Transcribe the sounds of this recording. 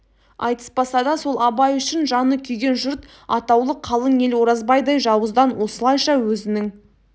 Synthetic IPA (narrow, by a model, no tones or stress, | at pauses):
ɑ̰jt̪ə̥sbɑsɑd̪ɑso̞lˠɑbɑjʏʃɪnʒɑnəkʲʰʏjɡʲe̞nʒʊɾt̪ | ɑ̰t̪ɑwlˠəqʰːɑlˠəne̞lwo̞ɾɑzbɑjd̪ɑjʒɑwəzd̪ɑnwo̞səlˠɑjʃɑwɵzɪnɪŋ